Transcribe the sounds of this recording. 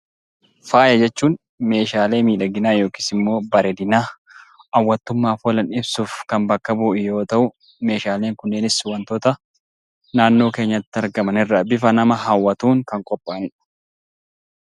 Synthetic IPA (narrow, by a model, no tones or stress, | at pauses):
faːjɐd͡ʒɛt͡ʃːuːn | me̞ːʃaːle̞ːmiːᶑɐɡɪnaːjo̞ːki̥ːsɪmːo̞ːbɐɾɛd̪ɪnaː | ɐwːɐt̪ːʊmːaːfɔlɐnɪbsuːfkɐnbɐkːɐbuːɪjo̞ːt̪ɐʔʊ | me̞ːʃaːle̞ːŋkʊnːeːnɪswɐnt̪ɔt̪ɐ | naːnːo̞ːke̞ːɲːɐt̪ːɪɐɾɡɐmɐnɪrːɐbɪfɐnɐmɐɦɐwːɐt̪uːŋkɐŋkʼɔpʼːaːnɪᶑɐ̥